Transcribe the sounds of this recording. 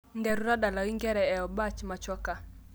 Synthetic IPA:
ndɛ˨ɾu˦ɾa˦ɗa˨la˨wi˦ŋɡɛ˦ɾɛ˨ɛ˨ɔ˨ba˦t͡ʃma˨t͡ʃɔ˦ka˨

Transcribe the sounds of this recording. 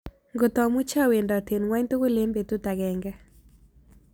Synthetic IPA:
ŋɡo˨tɔ˨mʊ˦t͡ʃa˦˨we˨nda˨te˨nwa˦ɲto˦ko˦le˦mbe˨tu˦ta˨ɡɛ˨ŋɡa˦

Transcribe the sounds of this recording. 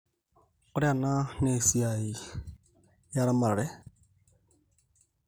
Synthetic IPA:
kʊ˦ɾa˨na˦ne˨si˨a˨i˨ | ja˦ɾa˦ma˨a˨ɾɛ˦

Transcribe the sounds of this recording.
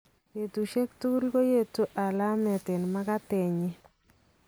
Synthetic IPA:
je˨tu˨ʃe˦ktu˦lɡo˦je˦˨tu˦ʔa˨la˦mɛ˨tɪ˨nma˦ka˦tɛ˨ɲɪ˦

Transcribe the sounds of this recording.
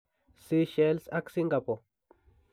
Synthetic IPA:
si˦ʃe˦lsa˦ksi˦ŋɡa˨po˨

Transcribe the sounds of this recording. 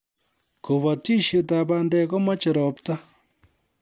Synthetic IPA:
ko˨βa˨ti˦ʃe˨taβa˨ndeko˦ma˦t͡ʃi˨ɾɔ˨pta˦

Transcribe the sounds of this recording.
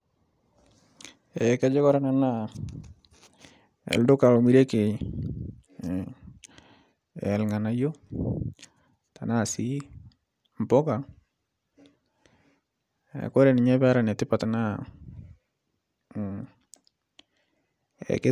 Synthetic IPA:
ɛ˨kɛ˦d͡ʒe˦kɔ˦ɾa˨na˨na˦˨ | ɛ̰˨ldʊ˦ka˨lo˨mi˦ɾe˦ke˨ | ɛ̰˨lŋa˨na˨˦jo˦ | ta˨na˦˨si˦ | m˨pɔ˦ka˨ | ɛ̰˨ko˦ɾe˨nɪ˨ɲɛ˦bɛ˦ɾa˨nɛ˨tɪ˦pa˨ta˨na˦˨ | ɛ̰˨ke˦

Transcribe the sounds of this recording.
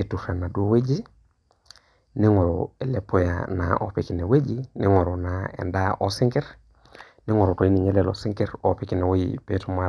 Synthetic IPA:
e˨tu˨fe˨na˨du˦o˦we˦d͡ʒi˦ | ni˦ŋo˨ɾo̰e˨le˨pːo˦ja̰na̰ʔo̰˨pi˨ki˨ne˨we˦d͡ʒi˦ni˦ŋo˨ɾo˨naḛ˨nda˦ʔo˦si˦ŋki˦ɾ | ni˦ŋo˨ɾo˨to˨i˦ni˨ɲe˦lelo̰˨si˦ŋki˦ɾo˨pi˨ki˨ne˨wo˦jḭpe˦to˦ma˦

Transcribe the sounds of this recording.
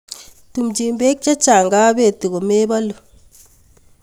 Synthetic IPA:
tu˨md͡ʒi˨mbe˦k̚t͡ʃa˦t͡ʃa˨ŋɡa˦be˦˨ti˨ɣo˨me˦ba˦lu˨

